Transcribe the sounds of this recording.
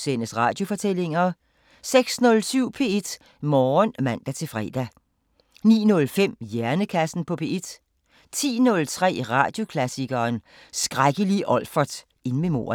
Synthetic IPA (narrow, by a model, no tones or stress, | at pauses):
senəsʁɑ̰̈d̥jo̝fɒ̽t͡sʰel̰e̝ŋɐ | seɡ̥snɔ̽lsyʊ̰pʰe̝ed̥ | mɒːnmæn̰d̥æt͡sʰe̝lfʁɛ̰ːd̥æ | nḭːnɔ̽lfem̰jæɐnəkʰæsn̩pʰɒ̽pʰe̝ːe̝d̥ | t͡sʰḭːnɔ̽lt͡sʰʁɛ̰ːʁɑ̰̈d̥jo̝kʰlæsiɡ̥ɐːn | sɡ̥ʁaɡ̥əliʔɒ̽lfɐd̥ | e̝nmemo̝̰ːɐ